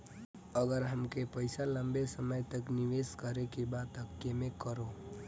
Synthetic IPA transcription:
əɡəɾɦəmkepəɪsalə̃mbesəməjt̪əknɪʋeːskəɾekebaːt̪əkjemẽkəɾo

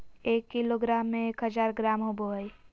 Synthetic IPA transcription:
eːkːiloɡɾaːmːẽeːkɦəd͡ʒaːɾɡɾaːmɦoboɦəi

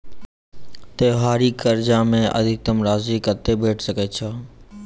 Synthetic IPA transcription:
t̪eːɦaːɾiːkəɾd͡ʒaːmẽʔə̰d̪ʱɪk̚t̪əmɾaːziːkət̪eːbʱeːʈʰsəkeːt͡ʃʰɔː

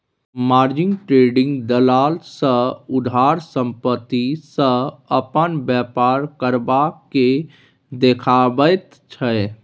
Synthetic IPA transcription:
maːɾd͡ʒɪ̃ŋɡʈɾeːɖɪ̃ŋɡd̪əlaːlsəʊd̪ʱaːɾsə̃mpət̪ːisə̃əpənbjapaːɾkəɾbake | d̪ekʰabət̪ | t͡ʃʰə

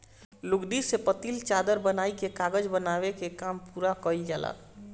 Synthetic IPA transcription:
luɡɖisepət̪ilt͡ʃad̪əɾbənaikekaɡəd͡ʒbənaβekekampuɾakəid͡ʒala̰

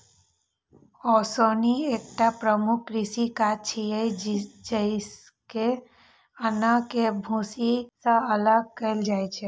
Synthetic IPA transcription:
ɔsoniek̚ʈapɾəmʊkʰɾɪsikat͡ʃʰijəjd͡ʒd͡ʒəs | ke | ənakebʱusisãələɡ̚kəeld͡ʒajt͡ʃʰe

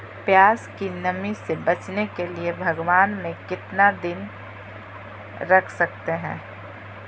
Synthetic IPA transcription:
pjaːskinɐmisebɐt͡ʃnekeliebʱɐɡwaːnmẽkɪt̪nad̪ɪn | ɾɐkʰsɐk̚t̪eɦɛ̰̃ː

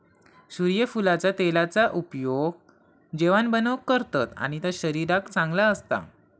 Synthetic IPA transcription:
ɕuɾjəfulat͡sat̪elat͡saʔupjoɡ | d͡ʑeʋanbənəʋkəɾt̪at̪a̰ɽ̃it̪aɕəɾiɾakt͡sãŋɡlaəst̪a̰

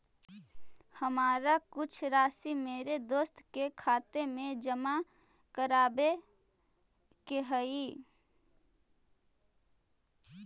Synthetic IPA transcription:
həmaːɾakʊt͡ʃʰɾaːsimeːɾed̪oːst̪kekʰaːt̪emẽd͡ʒəma | kəɾaːbe | keɦəi

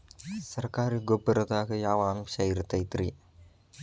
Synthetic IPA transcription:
sərkaɾiɡobəɾt̪akəjawamsairt̪ait̪ɾi

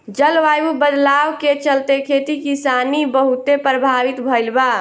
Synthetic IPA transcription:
d͡ʒəlʋajubəd̪lawket͡ʃəlt̪ekʰet̪ikisanibəɦut̪epɾəbʱaʋit̪bʱəɪlba

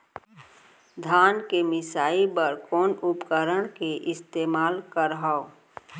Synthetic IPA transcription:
d̪ʱaːnkemɪsaːipəɾkɔːnʊpkəɾəɽ̃keʔɪst̪eːmaːlkəɾɦao

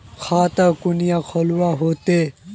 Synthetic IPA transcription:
kʰaːt̪akʊnijakʰɔluaɦoːt̪e

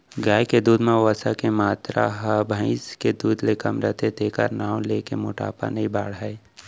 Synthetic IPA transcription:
ɡaːjked̪uːd̪mãʋəsakemaːt̪ɾa̰ɦabʱə̃ɪ̃sked̪uːd̪lekəmɾət̪ʰet̪eːkə̰ɾnaːw̃leːkemʊʈa̰ːpa̰nɐɦĩbʱaːɽɦae

